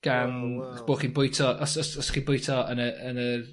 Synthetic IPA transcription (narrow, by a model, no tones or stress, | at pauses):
ɡ̥an | b̥oːχiːnbʊjtʰɔʔɔsɔsɔsχiːnbʊjtʰɔənəənər